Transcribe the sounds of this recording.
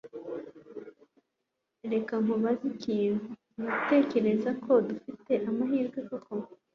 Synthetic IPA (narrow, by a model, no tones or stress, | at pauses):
ɾe̞kaŋ̥uβaziciːnhu | niɡute̞ːce̞ɾe̞zakʰo̞dufite̞ʔamaɦiːɾɡwekoko